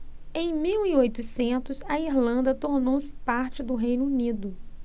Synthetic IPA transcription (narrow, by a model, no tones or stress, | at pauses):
ẽj̃miwiojt̪ʊsẽnt̪ʊsɐiɾlɐ̃nd̪ɐt̪oɾnowsɪ̥paɾt͡ʃɪd̪ʊɦejnunid̪ʊ